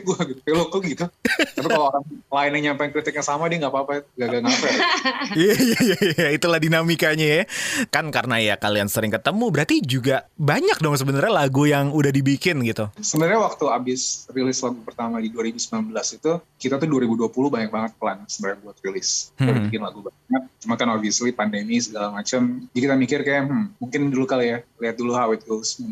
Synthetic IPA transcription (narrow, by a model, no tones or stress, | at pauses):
ɡuaɡikalokəɡit̪utapikaloaɾaŋlaɪnəŋɲampajnkɾit̪ɪk̚jaŋsamadiŋɡapaːpaɡaɡaŋafɛiaijjajajait̪ulahdinamikaɲajakankaɾənajakaliansəɾɪŋkət̪əmubəɾart̪id͡ʒuɡabaɲak̚dɔŋsəbənarɲalaɡujaŋudahdibikɪnɡit̪usəbənərɲawak̚t̪uabɪsrilɪslaɡupərt̪amadiduaɾibusəmbilanbəlasit̪ukit̪at̪uduaɾibuduapuluhbaɲak̚baŋət̪̚pəlansəmarɲabuat̪̚rilɪsaiikɪnlaɡupərt̪aŋət̪̚t͡ʃumankanofislipandemisəɡalamat͡ʃəmd͡ʒikit̪amikɪrkajaʔmmuŋkɪndulukalijaliɦat̪̚duluhawɪt̪̚usmun